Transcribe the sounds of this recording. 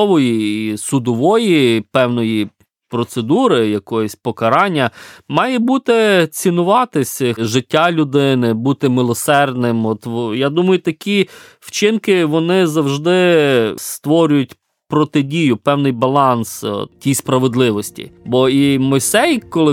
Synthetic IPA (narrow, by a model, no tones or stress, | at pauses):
ɔʋɔjiisʊd̪ɔʋɔjipɛwnɔji | pɾɔt̪sed̪uɾɪjɐkɔjɔsʲpɔkɐɾɑnʲːɐmɑjɛbut̪ɪt͡sʲinʊʋɑt̪ɪsʲʒɪtʲːalʲʊd̪ɪnɪbut̪ɪmɪlˠɔsɛrd̪nɪmɔt̪jad̪umɐjʊt̪ɐkʲiwt͡ʃɪnkɪʋɔnɪzɐwʒd̪ɪst̪ʋɔɾʲʊjʊtʲ | pɾɔt̪ɪdʲijʊpɛwnɪjbɐlˠɑnstʲijspɾɐʋed̪lˠɪʋɔsʲtʲḭbɔimɔjsɛjkɔlˠɪ